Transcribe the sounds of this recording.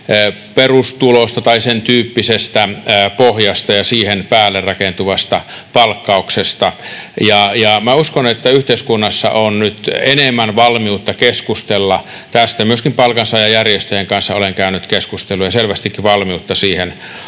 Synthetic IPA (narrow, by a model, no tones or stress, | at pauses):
perust̪ulost̪ɑt̪ɑisent̪yːpːisest̪æpohjɑst̪ɑjɑsiːhenpæːlːerrɑkent̪uʋɑst̪ɑ | pɑlkːɑuksest̪ɑjɑjɑmæuskonet̪ːæyht̪eiskunːɑsːɑ̰ʔonnyt̪enemːænʋɑlmiut̪ːɑkeskust̪elːɑ | t̪æst̪æmyøskimpɑlkɑnsɑjɑjærjest̪øjeŋkɑnsːɑoleŋkæynyt̪keskust̪elːˑujɑselʋæst̪ikːiʋɑlmiut̪ːɑsiːhen